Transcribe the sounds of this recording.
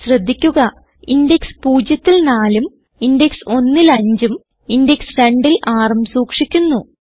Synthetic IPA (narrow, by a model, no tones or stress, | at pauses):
ɕrɐd̪ʱːikʲːuɣɐ | indekspuːd͡ʑjɐt̪ːilnaːlum | indekso̞nːilɐɲd͡ʑum | indeksɾɐɳɖilaːrɐmsuːkʂikʲːunːu